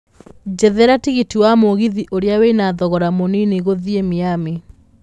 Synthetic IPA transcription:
d͡ʒɛðɛɾatiɣitiwamoɣiðiʔoɾeaweinaðɔɣɔɾamonineɣoðiemiame

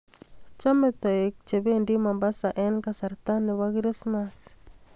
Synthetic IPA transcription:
t͡ʃamet̪ɔek̚t͡ʃeβendimambasaʔɛnkasaɾt̪aneβakɾismas

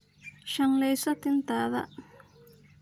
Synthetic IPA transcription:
ʃɐnlɛjsɐt̪ʰɪnt̪ʰaːðɐ̰

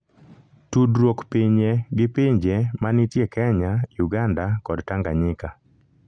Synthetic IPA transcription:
tudɾwokpiɲeɡɪpiɲd͡ʒemanɪtjekɛɲajuɡandakɔdtaŋɡaɲɪka

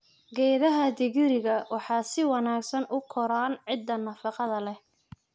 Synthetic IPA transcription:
ɡɛːðɐɦɐd̪ɪɣɪɾɪɣɐwɑħɑːsɪwɑnaːɡsɐnʔʊkʰɔɾaːnʕɪd̪ːɐnɐfɑqɑðɐlɛh

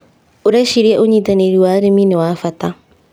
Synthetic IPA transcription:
oɾɛʃiɾiɛʔoɲiːtaneɾiwaːɾeminewaːfata

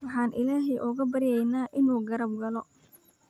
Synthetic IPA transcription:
wɑħɑːnʔɪlaːɦɛʔʊɣɐbɐɾɪjɛjnaːʔɪnuːɡɐɾɐb̚ɡɐlɔ

